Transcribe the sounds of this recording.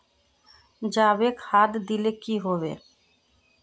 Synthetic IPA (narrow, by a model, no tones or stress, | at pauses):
d͡ʒaːbekhad̪d̪ilekiɦobḛ